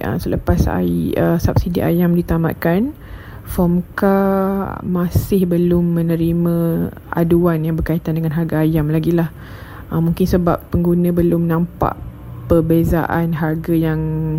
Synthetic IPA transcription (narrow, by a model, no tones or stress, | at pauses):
ʔə̰sələpasa̰əsap̚sidiʔa̰jamdit̪ama̰ʔ̪̚kan | fɔmka | masɪhbəlʊmːə̃nəɾimã | a̰duanjaŋbərkait̪andəŋanɦarɡaajamlaɡilah | əmːuŋkɪnsəbapːəŋɡunə̃bəlʊmnãmpa̰ʔ | pərbeza̰ʔanɦarɡajaŋ